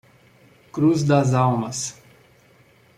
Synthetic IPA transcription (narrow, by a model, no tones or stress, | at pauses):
kɾuzd̪azawmɐs